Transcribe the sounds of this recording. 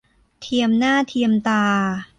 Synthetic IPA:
t̪ʰi˧əmnaː˥˩t̪ʰi˧əmt̪aː˧

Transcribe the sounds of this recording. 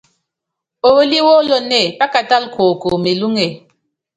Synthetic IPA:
o˨wo˦li˦wo˦lo˦ne˦˨pa˦ka˨ta˦lkʰo˨ko˨me˨lu˦ŋe˨

